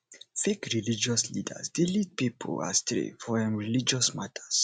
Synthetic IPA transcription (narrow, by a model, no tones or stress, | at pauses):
fekɹilid͡ʒɔslḭdə̰sdelid̚pipʰo̰la̰st̪ɹḭfɔɛ̃mɹilid͡ʒɔsmatʰəs